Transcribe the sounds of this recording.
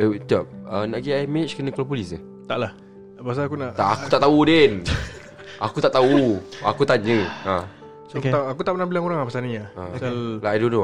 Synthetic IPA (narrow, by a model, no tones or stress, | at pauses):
ət̪ap̚ənaʔɡiaimet͡ʃkənə̃kolap̬ulisa | t̪aʔlah | pas̬alakunaʔt̪aʔakut̪aʔt̪auden | akut̪aʔt̪aua̰kut̪anɲə̃a | sakt̪aakut̪aʔpənahbilaŋoɾaŋapasalniɲaalaajdono